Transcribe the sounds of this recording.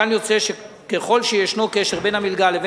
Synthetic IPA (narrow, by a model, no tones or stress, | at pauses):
anjo̞t͡se̞ʃe | keχo̞lʃejeʃnokeʃeʁbe̞namilɡaleve